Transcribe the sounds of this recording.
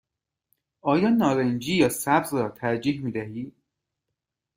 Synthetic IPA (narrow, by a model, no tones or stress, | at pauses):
ʔɒːjɒːnɒːɾend͡ʒiːjɒːsæbzrɒːt̪ʰæɾd͡ʒiːhmiːd̪æɦiː